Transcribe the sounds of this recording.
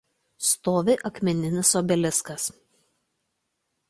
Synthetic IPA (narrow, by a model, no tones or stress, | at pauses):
st̪oːʋʲeːʔɐkmʲɛnʲɪnʲɪsoːbʲɛlʲɪskɐs